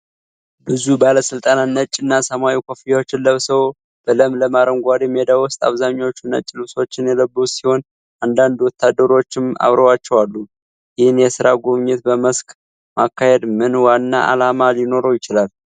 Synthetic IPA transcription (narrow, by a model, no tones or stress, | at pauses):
bɨzubaləsɨlt̪ʼanat̪nət͡ʃʼːɪnːasəmawikʰofijawo̞t͡ʃːɪnləβsəw | b̥ələmləmaɾəŋɡʷad̪emed̪awʊst̪ʼa̰βzaɲːawot͡ʃːɪnːə̰t͡ʃʼːɪlɨso̞t͡ʃːɪnjɛləbːusiho̞n | ʔand̪and̪wɔt̪ʰːad̪ːəɾo̞t͡ʃːɪma̰βɾəwat͡ʃːɛwalːu | jɪhɪnjɛsɨɾaɡoβɲɪt̪bəməskʼ | makːahed̪mɨnwanːaʔa̰lamaljɪno̞ɾojɪt͡ʃɪlal